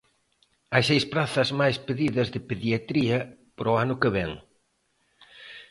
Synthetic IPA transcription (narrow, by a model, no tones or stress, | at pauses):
ajsejspɾaθɐzmajspeðiðɐzðɪpeðjat̪ɾiɐpɾoanʊkeβɛŋ